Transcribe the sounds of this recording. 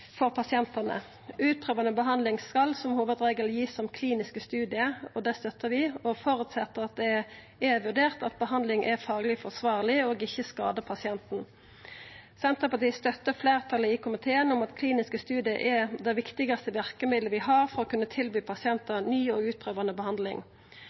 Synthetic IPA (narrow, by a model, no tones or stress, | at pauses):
fɔʁpʰɑsɪɛnt̪ənə̰ | ʉːt̪̚pʰʁøːʋɑnəbəɦɑnd̪lɪŋskɑlsɔmhuːʋəd̪ʁeːɡəljiːsːɔmkʰliːnɪskəst̪ʉːd̪ɪəɔd̪ɛst̪œt̪ːəʋɪɔfɔɾʉt̪sɛt̪ːəʁɑt̪̚d̪ɛ | ɛʋʉʁd̪eːʁt̪ɑt̪̚bəɦɑnd̪lɪŋʔɛʁfɑːɡlɪfɔsʋɑːʁlɪoːɡɪçːəskɑːd̪əpʰɑsɪɛnt̪n̩ | sɛmt̪ʰɑpɑt̪ʰɪst̪œt̪ːəfleːʁt̪ʰɑləɪkʰʊmɪt̪ʰeːənʊmɑt̪kʰliːnɪskəst̪ʉːd̪ɪəʔɛd̪ɛɪʋɪkt̪ɪɡɑst̪əʋɪʁkəmɪd̪ləʋɪɦɑʁfɔʁɔkʰʉnːət̪ʰɪlbyːpʰɑsɪɛnt̪ənyːoːɡʉːt̪̚pʰʁøːʋɑnəbəhɑnd̪lɪ̰ŋ